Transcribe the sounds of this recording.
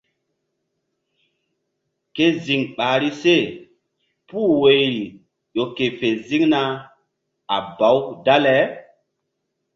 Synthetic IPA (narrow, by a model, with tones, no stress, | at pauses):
ke˦zi˨ŋɓaː˨ɾi˦se˦˨ | puː˦˨we˨jɾi˨ | jo˨ke˨fe˨zi˦ŋna˦ | a̰˨ba˨˦wda˦lɛ˨˦